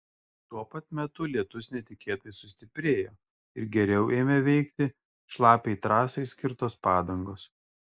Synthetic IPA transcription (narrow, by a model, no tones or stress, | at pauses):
t̪uɔpɐt̪mʲɛt̪ʊlʲiɛt̪ʊsʲnʲɛt̪ʲɪkʲeːt̪ɐɪsʊsʲt̪ʲɪpʲɾʲeːjoː | ɪɾɡʲɛɾʲɛʊʔeːmʲɛʋʲɛɪkt̪ʲɪ | ʃlˠɑːpʲeɪt̪ɾɑːsɐɪsʲkʲɪɾt̪oːspɑːd̪ɐŋɡoːs